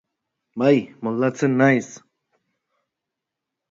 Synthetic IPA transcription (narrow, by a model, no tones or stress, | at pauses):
bajmold̪at͡senːajs